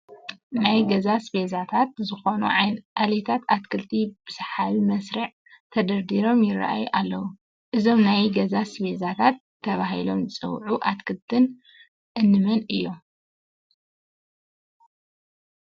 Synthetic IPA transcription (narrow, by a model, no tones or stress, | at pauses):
najɡɐzasbezat̪ʰat̪zɨxo̞nṵʔalet̪ʰat̪at̪̚kʰɨlt̪ʰib̥ɨsħalmɐsɾɐʕ | t̪ʰɐd̪ɐɾd̪iɾo̞mjɪra̰ʔa̰juʔalːɐwu | ʔɨzo̞mnajɡɐzasbezat̪ʰat̪ʰːɐβahɦilo̞̰mzɨt͡sʼɨ̰wʕuʔat̪kʰɨlt̪ʰɨn | ʔɨnːɨmɐnɨjːo̰